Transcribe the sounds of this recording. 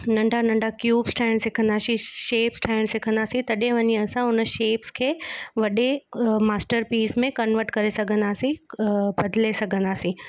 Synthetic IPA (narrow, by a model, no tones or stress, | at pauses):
nɐ̃ɳɖʱanɐ̃ɳɖʱakjuːbsʈʰãːɪñsɪkʰə̃nd̪aːsĩʃeːpsʈʰaːɪɽ̃sɪkʰə̃nd̪aːsĩt̪ɐɗẽʋɐɲiɐsãʊnəʃeːpskʰeːʋɐɗemaːsʈəɾpiːsmẽkɐnʋəɾʈkɐɾesɐɡʱə̃nd̪aːsĩbɐd̪lesɐɡʱə̃nd̪aːsĩ